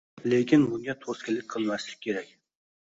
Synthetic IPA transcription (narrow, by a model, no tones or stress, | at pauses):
lekʲinbuŋɡʲɛt̪ʰoskʲɪlːɪk̚ʲqʰəlˠmɛʃlɪkʲʰːeɾɛkʲ